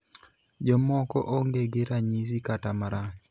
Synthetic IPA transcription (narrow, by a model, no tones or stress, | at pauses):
d͡ʒɔmɔkɔ̰ʔoŋɡeɡeɾaɲis̬ikatamaɾa